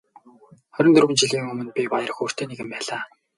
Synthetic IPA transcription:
χœɾʲɪ̆nt̪ɵrwɘ̆nt͡ɕiɮiːŋɵmɵ̆npʲipajə̆rxuːr̥t̪ʰeːneɣɘ̆mpæːɮaː

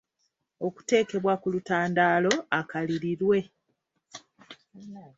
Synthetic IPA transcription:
o̞ku̥te̞ːke̞βwakulutaːndaːlo̞akaliɾiɾwe̞

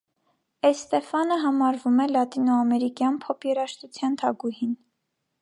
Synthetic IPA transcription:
ɛst̪ɛfɑnəɦɑmɑɾvumɛlɑt̪inuɑmɛɾikjɑnpʰɔpʰjɛɾɑʃt̪ʰut͡sʰjɑnt̪ʰɑɡuhin

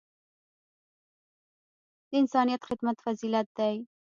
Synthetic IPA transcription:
d̪əɪnsɑnijat̪xɪd̪mat̪fazilat̪̚d̪aj

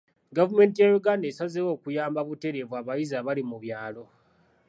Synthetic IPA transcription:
ɡavume̞ntijajoɡane̞sazewo̞ːkujaːmbaβute̞ɾe̞ːvwaːβajizaβalimuβjaːlo̞

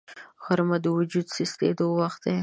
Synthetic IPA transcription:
xaɾmad̪əwud͡ʒud̪sist̪ḛd̪owaxt̪̚d̪e

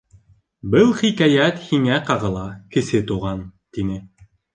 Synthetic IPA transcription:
bɤlˠχikæjæt̪hiŋæqɑʁɤ̆lˠɑkɘ̆sɘt̪uʁɑnt̪inɘ

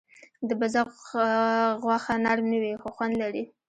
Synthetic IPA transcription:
d̪əbazaq | ɣwaxanaɽmnəwixoxwand̪laɾi

